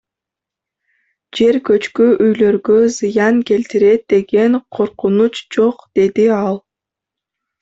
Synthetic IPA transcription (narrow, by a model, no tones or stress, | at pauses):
d͡ʒe̞ɾkø̞t͡ʃkyʔyjlø̞ɾɡøzɯjɑŋke̞lt̪iɾe̞t̪̚d̪e̞ɡe̞ŋqʰo̞ɾqunut͡ʃd͡ʒo̞qd̪̥e̞d̪iɑlˠ